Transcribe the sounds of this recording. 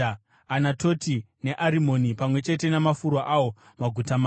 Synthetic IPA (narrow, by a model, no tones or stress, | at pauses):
anatoti | ne̞ʔaɾimo̞nipamwe̞t͡ʃe̞te̞namafuɾwaʔawo̞ | maɡʱutamaː